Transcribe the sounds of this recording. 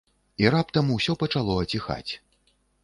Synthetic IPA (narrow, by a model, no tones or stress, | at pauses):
iɾap̚t̪ɐmwsʲɔpɐt͡ʂalˠɔɐt͡sʲixa̰t͡sʲ